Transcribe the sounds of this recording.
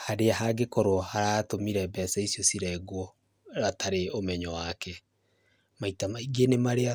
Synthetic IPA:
haɾeaɦaɡekɔɾwɔhaɾaːtomiɾɛbɛsɛisjɔsiɾɛɡwɔ | ɾatʰaɾeomɛɲɔwakɛ | maitamaiɡenemaɾea

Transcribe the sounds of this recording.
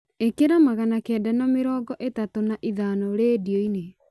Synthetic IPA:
ekeɾamaɣanakɛːdanameɾɔːɡɔʔetatonaʔiðaːnɔɾeːdioine

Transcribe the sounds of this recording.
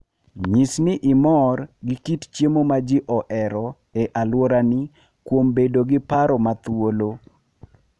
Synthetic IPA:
ɲisnɪʔɪmɔrɡɪkitt͡ʃjemomad͡ʒɪʔɔʔɛɾɔ | eʔalwoɾanɪ | kwombedoɡɪpaɾɔmat̪wolo

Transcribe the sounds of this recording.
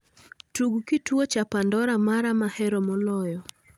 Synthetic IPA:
tuɡukitwot͡ʃapandɔɾamaɾamahɛɾɔmɔlɔjɔ

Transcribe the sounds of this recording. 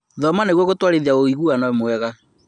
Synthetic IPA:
ðɔmaneɣwɔɣotwaɾeðiaoiɣuanamwɛɣa

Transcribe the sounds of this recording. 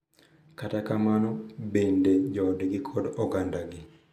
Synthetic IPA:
katakamanɔbended͡ʒɔdɡɪkʰɔdɔɡandaɡɪ

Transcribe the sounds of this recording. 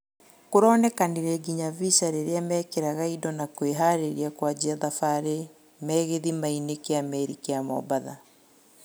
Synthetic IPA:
koɾɔːnɛkaniɾɛɡiɲavisaɾeɾeamɛːkeɾaɣaidɔnakoeɦaɾeɾiakwad͡ʑiaðafaɾe | mɛːɣeðimainekeamɛɾikeamɔ̰baða̰

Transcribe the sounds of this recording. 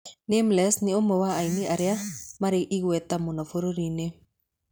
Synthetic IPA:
nemlɛsnɪomowaːiniaɾeamaɾeʔiɣwɛt̪amonɔfoɾoɾine

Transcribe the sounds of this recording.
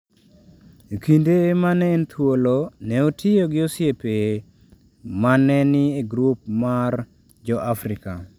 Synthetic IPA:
kindemanɛːnt̪ʰwolonɛotʰɪjoɡɪosɪepe | manɛnɪeɡɾup̚mar | d͡ʒɔʔafɾɪka

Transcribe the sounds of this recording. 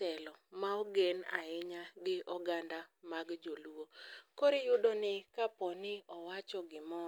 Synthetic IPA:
tɛlɔmaoɡena̰ɪɲaɡɪɔɡandamaɡd͡ʒoluwokoɾejʊdonɪkapɔnɪɔwat͡ʃɔɡɪmɔ

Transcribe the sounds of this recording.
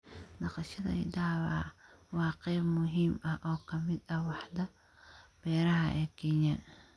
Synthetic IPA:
nɑqɑʃɐðɐ̰ɪ̰d̪aːwa̰ːwɑːqɛjbmʊɦiːmɐhʔɔːkʰɐmɪd̪ɐwɑħd̪ɐ | b̥ɛːɾɐɦɐʔɛːkʰɛɲɐ

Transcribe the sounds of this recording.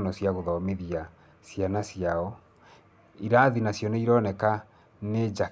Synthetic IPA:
nɔsjaɣoðɔmeðija | sjanasiaɔ | iɾaðinasjɔneiɾɔnɛka | ned͡ʒa

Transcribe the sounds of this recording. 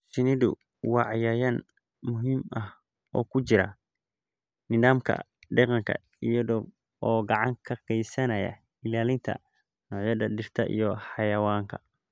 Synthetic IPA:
ʃɪnɪðʊ | wɑʕjɐjɐn | mʊɦiːmɐh | ʔɔːkʰʊt͡ʃɪɾɐ̰ | nɪðaːmkʰɐ̰ | ɖɛqɑŋkʰɐ̰ | ijɐðɔ | ɔːɡɑʕɑŋkʰɐqɛjsɐnɐjɐ̰ | ɪlaːlɪnt̪ʰɐ̰ | nɔːʕjɐðɐd̪ɪrt̪ʰɐʔḭjɔħɑjɐwaːŋkʰɐ̥

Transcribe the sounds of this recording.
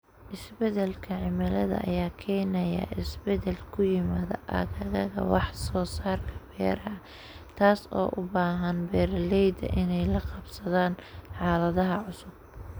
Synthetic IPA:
ʔɪsbɛðɛlkʰɐʕɪmɐlɐðɐ̰ʔɐ̰jaːkʰɛːnɐjɐ̰ʔɪsbɛðɛlkʰʊjɪmaːðɐ̰ʔɐ̰ɣɐɣɐɣɐ̰wɑħsɔːsaːrkʰɐ̥b̥ɛ̰ːɾɐɐ | t̪ʰaːsɔ̰ːʔʊbaːɦɐnbɛːrlɛjd̪ɐ̰ʔɪnɛjlɐqɑbsɐðaːnħɑːlɐðɐɦɐʕʊsʊb̚

